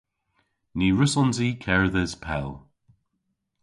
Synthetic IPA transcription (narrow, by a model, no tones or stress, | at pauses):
niːɹəsɔnzikʰɛɹðəzpʰɛ̰l